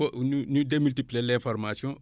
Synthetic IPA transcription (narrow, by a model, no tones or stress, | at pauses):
onnudemyltiplielɛ̃fɔɾmasjɔ̃